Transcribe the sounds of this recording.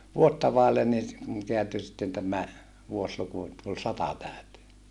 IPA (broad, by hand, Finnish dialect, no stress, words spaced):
ʋuotːɑ ʋɑˑelːen niː se keænty sitːen tæmæ ʋuosluku et tul sɑtɑ tæˑy̞teː